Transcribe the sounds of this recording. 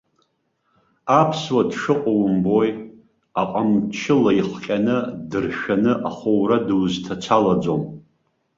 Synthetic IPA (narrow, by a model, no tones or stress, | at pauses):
apʰswadʂɨqʼawmbo̞j | aqʼamt͡ʃʰɪlaiχqʲʼanɨdɨrʃᶣanɨʔaχʷowradɨwztʰat͡sʷʰalad͡zo̞m